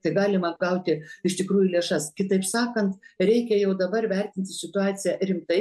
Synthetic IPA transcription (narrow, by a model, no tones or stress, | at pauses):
t̪ɐɪɡɑːlʲɪmɐɡɐʊt̪ʲɪɪʃt̪ʲɪkɾuːjulʲeɛʃɐskʲɪt̪ɐɪpsɑːkɐnt̪ɾʲɛɪkʲɛjɛʊd̪ɐbɐrʋʲɛrʲt̪ʲɪnʲt̪ʲɪsʲɪt̪ʊɑːt͡s̪ʲɪjɛɾʲɪmt̪ɐɪ